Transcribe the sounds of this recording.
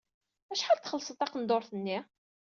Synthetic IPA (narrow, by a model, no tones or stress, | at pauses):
æʃħalt̪χəlːsˤət̪ɑqənd̪oɾˤθənːi